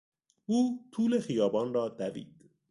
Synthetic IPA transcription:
uːt̪ʰuːlexijɒːbɒːnrɒːd̪ævḭːd̪̥

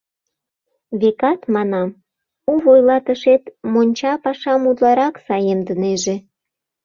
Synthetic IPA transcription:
βekɑt̪mɑnɑm | uβojlɑt̪əʃet̪monʲt͡ɕɑpɑʃɑmud̪lɑɾɑksɑjemd̪əneʒe

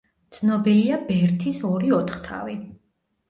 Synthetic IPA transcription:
t̪sʰnɔbiliabɛɾt̪ʰisɔɾiɔt̪ʰχt̪ʰa̰vi

